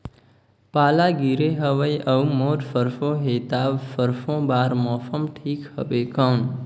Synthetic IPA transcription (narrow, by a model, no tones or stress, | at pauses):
paːlaɡiɾeɦəʋəjʌwmoʈfʰəɾfʰõɦet̪abfəɾfʰõbaːɾmɔfʰəmʈʰikhə̰bekʌwn